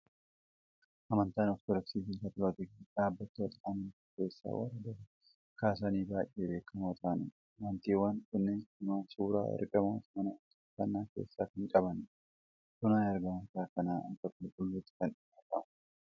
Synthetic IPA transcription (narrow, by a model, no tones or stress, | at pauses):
ʔɐmɐnt̪aːnɔft̪ɔlɐksiːfɪŋkɐt̪ʊɾɐt̪ɛɡᶑaːbːɐt̪ːɪɐlʔɐmɐnt̪ike̞ːsːa̰ːwɐ̰rɐd̪ɐ | kaːs̬aniːbaːjʔːeːbe̞ːkʰːɐmoːt̪ʰaːnɪ̰ | wɐnt̪iːwaːnkʊnːeːnɪmaːsuːɾa̰ːɪ̰ɾkʼɐmoːsmɐnɐtɪ̥kːɐnːaːkḛːsːaːɪŋkʼɐbɐn | kʊnaːjɐɾɡɐɐnsaːkɐnaːɐ̰ŋkɐkʊlkʼʊlːuːt̪ːɪ̥kɐnɪjaːt̪ɐ̰mɐ